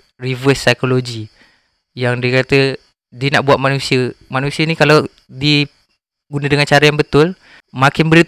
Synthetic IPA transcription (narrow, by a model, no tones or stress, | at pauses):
rivəsːajkoloɡi | jaŋdiəkat̪ə | diənaʔbuat̪̚manũsiəmanusiənĩkala | diə | ɡunədəŋant͡ʃaɾəjaŋbət̪ʊl | mãkɪnbəɾi